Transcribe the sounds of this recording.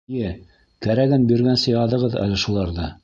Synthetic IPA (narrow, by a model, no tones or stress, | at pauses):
jɘ | kæɾæɡɘnbɵ̆ɾɡænsɘjɑðɤ̆ʁɤðæ̰lɘʃulˠɑɾðɤ